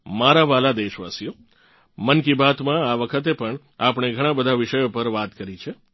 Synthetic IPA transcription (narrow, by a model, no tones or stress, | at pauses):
maɾaʋalad̪eʃʋa̰sijo | mənkibat̪mãaʋəkʰət̪̬epəɳ | apɳ̃eɡʱəɽ̃ãbəd̪ʱaʋɪʃəjopəɾʋat̪kəɾit͡ʃʰe